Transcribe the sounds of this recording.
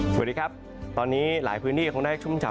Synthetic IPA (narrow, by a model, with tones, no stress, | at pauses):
sa̰˨˩diː˧kʰa˦˥p̚ | t̪ɔː˧nːiː˦˥la̰ː˩˦jpʰɯː˦˥ntʰiː˥˩kʰːŋna˥˩˥t͡ɕʰu˥˩mt͡ɕa˨˩